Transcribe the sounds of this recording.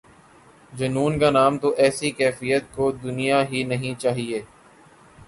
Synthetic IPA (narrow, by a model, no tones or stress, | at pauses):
d͡ʒɐnuːnkanaːmt̪oʔɛːsikɛːfijət̪̚kod̪ʊnijaɦinɐɦĩt͡ʃaːɦieː